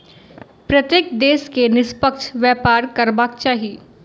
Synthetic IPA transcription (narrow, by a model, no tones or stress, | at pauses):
pɾɐt̪jeːkd̪eːskenɪspəkʃʰʋjɛːpaːɾkɐɾbaːk̚t͡ʃaːɦiiː